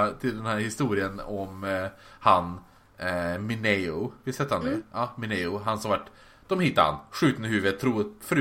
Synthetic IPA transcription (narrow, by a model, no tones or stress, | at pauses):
t̪ʰɪld̪ɛnhæːɾhɪst̪uːɾɪənɔmhan | mɪnɛʊvɪlsɛt̪ːhand̪ɛjɑːmɪnɛʊɦansɔmvaʈː | d̪̥ɔmhɪt̪ːə̰ha̰nɧʉ̟ːt̪ənəhʉːvət̪ʰːɾuːfɾʉ